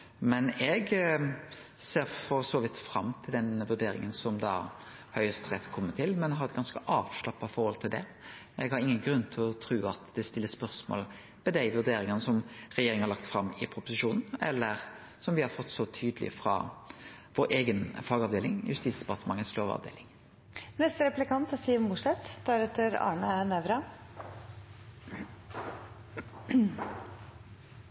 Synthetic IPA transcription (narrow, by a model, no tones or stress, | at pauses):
mɛnɛɡ | seːɾfɔsɔːʋɪt̪ːfɾɑmːt̪ʰɪld̪ɛnʋʉɾd̪eːɾɪ̰ŋənsɔmd̪ɑ̰ː | hœʏəst̪ʁɛt̪ːkʰɔmːət̪ʰɪlmɛnɦɑɾɛt̪̚ɡɑnskəʔɑːʋʂlɑpːɑfɔɾhɔlt̪ʰɪld̪ɛ | ɛɡhɑɾɪŋːənɡɾʉnːt̪ʰɪlɔt̪ʰɾʉːɑt̪d̪ɛst̪ɪlːəspœʁsmo̰ːl | mɛd̪æɪʋʉd̪eːɾɪŋənəsɔmɾɛjeːɾɪŋhɑɾlɑk̚t̪fɾɑmːɪpʰɾʊpʊsɪʃuːnn̩ɛlːəɾ | sɔmʋɪhɑɾfɔt̪ːsɔt̪ʰyːd̪əlʔɪ̰fɾɑ̰ | ʋoːɾʔeːɡənfɑɡɑʋd̪eːlɪŋjʉ̰st̪iːsd̪ɛpɑʁt̪əmɑŋːəsloːʋɑ̰ʋd̪ḛːlɪŋ | nɛst̪əɾɛplɪkɑnt̪st̪iːʋmʊʂɛt̪d̪̥æɾɛt̪ːəɾɑ̰ːɳənɛʋɾɑ